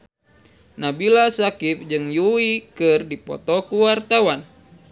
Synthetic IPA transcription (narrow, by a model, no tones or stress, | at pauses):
nabilasakip̚d͡ʒɨŋjuikɨrdipɔ̰t̪ɔkuwart̪awan